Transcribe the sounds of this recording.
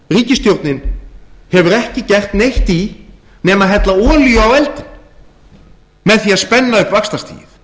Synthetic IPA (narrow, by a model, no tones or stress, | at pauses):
riːcɪst̪jowɾt̪nɪnhɛvʏɾɛhcɪcɛr̥t̪nejht̪i | nɛːmaðɦɛjt̪laɔːljʏawɛlt̪ɪn | mɛðθiaðspɛnːaʏhpvakst̪ast̪ḭːjɪ̰θ